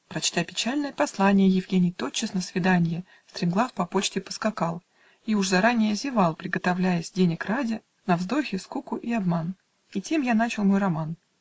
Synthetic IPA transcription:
pɾɐt͡ɕt̪apʲɪt͡ɕælʲnəjəpɐslˠanʲɪjəjɪvɡʲenʲɪjt̪o̞t͡ɕːɪsnəsvʲɪd̪anʲɪjɪ | st̪ɾʲɪmɡlˠafpɐpot͡ɕtʲɪpə̥skɐkɑlˠ | iʊʐzɐɾanʲɪjəzʲɪvalˠpɾʲɪɡət̪ɐvlʲæjəsʲdʲenʲɪkradʲɪ | nɐvzd̪o̞xʲɪskukʊʔiɐbman | itʲe̞mjanat͡ɕɪlˠmo̞jrɐman

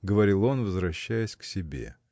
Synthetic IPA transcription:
ɡəvɐɾʲilˠo̞nvəzvɾɐɕːæjɪsʲksʲɪbʲḛ

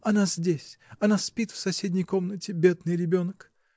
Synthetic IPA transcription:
ɐnazʲdʲesʲɐnaspʲit̪fsɐsʲedʲnʲəjko̞mnətʲɪbʲe̞d̪nɨjɾʲɪbʲo̞nk

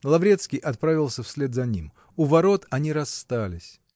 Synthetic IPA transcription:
lˠɐvɾʲe̞t̪skʲɪjʔɐt̪̚pɾavʲɪlˠsʲəfsʲlʲed̪zɐnʲim | ʊvɐɾo̞t̪ɐnʲiɾɐst̪alʲɪsʲ

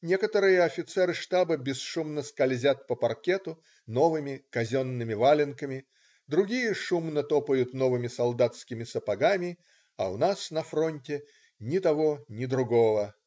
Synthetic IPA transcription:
nʲekət̪əɾɨjəɐfʲɪt̪sɛɾɨʂt̪abəbʲɪsʂumnəskɐlʲzʲat̪̚pəpɐrkʲet̪ʊ | no̞vɨmʲɪkɐzʲonːɨmʲɪvalʲɪnkəmʲɪ | d̪ɾʊɡʲijəʂumnət̪opəjʊt̪novɨmʲɪsɐlˠd̪at̪skʲɪmʲɪsəpɐɡamʲɪ | ɐ̰ʊnasnɐfɾonʲtʲɪ | nʲɪt̪ɐvonʲɪd̪ɾʊɡovə

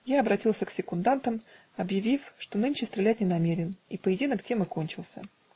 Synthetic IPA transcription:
jaɐbɾɐtʲilˠsʲəksʲɪkʊnd̪ant̪əm | ɐbjɪvʲifʂt̪o̞nɨnʲt͡ɕɪst̪ɾʲɪlʲæt̚ʲnʲɪnɐmʲeɾʲɪnipəjɪdʲinəktʲemɨko̞nʲt͡ɕɪlˠsʲə̰

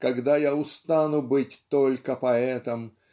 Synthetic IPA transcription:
kɐɡd̪ajaʊst̪anʊbɨtʲt̪olʲkəpɐɛt̪əm

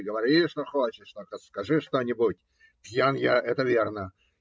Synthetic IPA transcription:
ɡəʋɐɾʲiʂt̪oxot͡ɕɪʂt̪okɐskɐʐɨʂt̪onʲɪbutʲ | pʲjanjaʔɛt̪əvʲernə

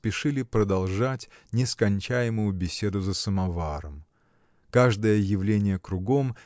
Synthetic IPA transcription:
spʲɪʂɨlʲɪpɾəd̪ɐlˠʐatʲnʲɪskɐnʲt͡ɕæjɪmʊjʊbʲɪsʲe̞d̪ʊzəsəmɐvaɾəm | kaʐd̪əjəjɪvlʲenʲɪjəkɾʊɡo̞m

